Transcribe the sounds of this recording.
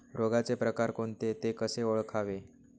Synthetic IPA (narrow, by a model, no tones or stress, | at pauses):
ɾoɡat͡sepɾəkaɾkoɳt̪et̪ekəseoɭkʰaʋe